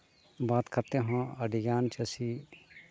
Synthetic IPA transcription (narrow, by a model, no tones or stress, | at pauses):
baːt̪kɐɾt̪eɦãɐɖijaːnt͡ʃɐsi